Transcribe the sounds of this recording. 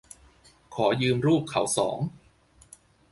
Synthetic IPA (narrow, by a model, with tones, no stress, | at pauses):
kʰɔː˩˦jɯː˧mɾuː˥˩p̚kʰa˩˦wsɔ̰ː˩˦ŋ